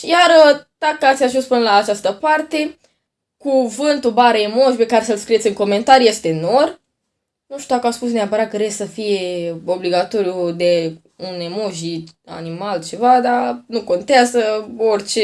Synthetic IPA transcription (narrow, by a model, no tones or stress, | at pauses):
ʃijaɾət̪akəat̪sʲaʒunspunlaːt͡ʃast̪əpart̪e̞ | kuvɨnt̪ubaɾəemoʃpe̞kaɾesəlskɾijesʲɨŋko̞me̞nt̪aɾije̞st̪e̞no̞r | nuʃt̪ʲud̪akəaspus̬neapəɾat̪̚kəɾesʲsəfije̞o̞bliɡat̪o̞ɾjud̪e̞ | unemoʒia̰nimalt͡ʃe̞vad̪anuko̞nt̪eazəorʲt͡ʃe